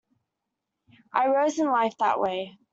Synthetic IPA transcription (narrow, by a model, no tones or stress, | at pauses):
ʔaɪɹoʊzɪ̃nlaɪfðə̰ʔweɪ